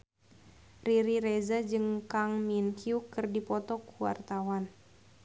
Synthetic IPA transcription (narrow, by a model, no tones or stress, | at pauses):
riɾiɾɛzad͡ʒɨŋkaŋminkʰiukɨrdipɔt̪ɔkuwa̰rt̪awan